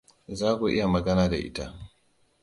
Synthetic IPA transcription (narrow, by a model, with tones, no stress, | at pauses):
zaː˦kʷu˨ʔɪ˦ja˨mɐ˨ɡɐ˦naː˦da̰˨ʔɪ̰˦ta˦